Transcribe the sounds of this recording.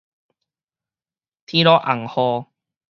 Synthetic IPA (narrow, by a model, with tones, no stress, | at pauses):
t̪ʰĩ˦ɾɔ˦ʔa˨˩ŋhɔ˧